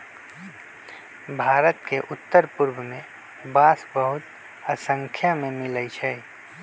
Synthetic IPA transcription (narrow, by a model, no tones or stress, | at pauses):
bʱaːɾət̪keʔʊt̪ːəɾpʊɾbmẽ | baːsbəɦʊt̪ | əsə̃ŋkʰjamẽmɪləit͡ʃʰɛː